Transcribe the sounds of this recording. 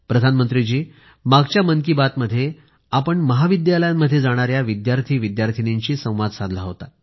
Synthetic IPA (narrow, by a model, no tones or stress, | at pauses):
pɾəd̪ʱanmənt̪ɾid͡ʑiː | maɡt͡ɕjamənkibat̪məd̪ʱːje | apəɳməɦaʋid̪jaləjamːəd̪ʱːjed͡zaɽ̃aɾjaʋid̪jaɾt̪ʰiːʋid̪jaɾt̪ʰiniɲt͡ɕiːsə̃w̃ʋad̪sad̪ʱlaɦot̪a